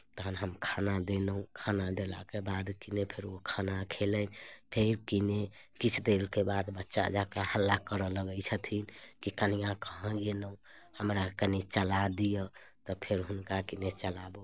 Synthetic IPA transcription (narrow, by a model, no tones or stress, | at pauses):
t̪əɦənɦəmkʰanad̪enəũkʰanad̪ela̰kebad̪kinepʰeɾokʰanakʰelənpʰeɾkine | kit͡ʃʰd̪elkebad̪bətːʃa̰d͡ʒakahəlːakəɾələɡət͡ʃʰət̪ʰinkikənijãkəɦə̃ɡenəũhəmɾakənit͡ʃəlad̪ijə | t̪ɔpʰeɾɦunkakinet͡ʃəlabo